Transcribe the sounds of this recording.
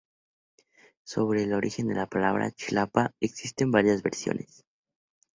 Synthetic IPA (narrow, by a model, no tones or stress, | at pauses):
so̞βɾe̞ːlo̞ɾixe̞nd̪e̞̰lapalaβɾa̰t͡ʃilapaeksist̪e̞mbaɾjazβe̞ɾsjo̞̰nʔe̞s